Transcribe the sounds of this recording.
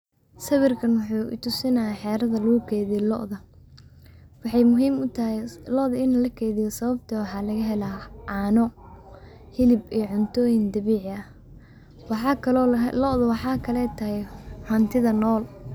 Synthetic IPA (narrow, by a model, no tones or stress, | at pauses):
sɐβɪrkʰɐnwʊħuːʔɪ̰t̪ʰʊsɪnɐjaħɛːɾɐðɐluːkʰɛːðiːlɔ̰ʔðɐ | wɑħɑjmʊɦiːmʊt̪ʰɐɦɛlɔʔðɐɪnlɐkʰɛːðɪjɔsɐβɐb̚t̪ʰɐwɑħɑːlɐɣɐɦɛlaːʕɑːnɔ | hɪlɪbijʕʊnt̪ʰɔːjɪnd̪ɐβiːʕɪɐ | wɑɑkʰɐlɔːlɔʔðɐwɑħɑːkʰɐlɛːt̪ʰɐhɛjhɐnt̪ʰɪðɐnɔːl